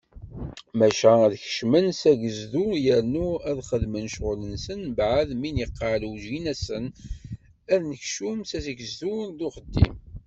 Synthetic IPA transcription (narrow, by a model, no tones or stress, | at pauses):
mæʃæðçə̥ʃmənsæʝəzðujəɾnuæðχəðmənʃʁʊlənsənbʕəðminjəqːɑluʒinæsən | æðnəçʃumsæsɡəzðunðʊχəd̪ːḭm